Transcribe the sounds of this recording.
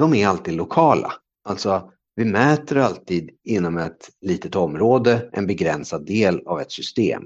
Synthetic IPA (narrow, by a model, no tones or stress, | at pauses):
d̥̪ɔmæɾalt̪iːd̪lʊkʰɑːla̰ | ʔalt̪sɔ | vɪmɛːt̪əɾalt̪iːd̪ɪnːɔmɛt̪liːt̪ət̪ɔmːɾoːd̪əʔɛ̰nbɛɡɾɛnsad̪ːeːlavɛt̪sʏst̪ḛːm